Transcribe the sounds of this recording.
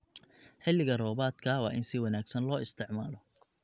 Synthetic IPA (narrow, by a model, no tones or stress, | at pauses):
ħɪlːɪɣɐrɔːbaːd̪kʰɐwɑːʔɪnsɪwɐnaːɡsɐnlɔːɪst̪ʰɪʕmaːlɔ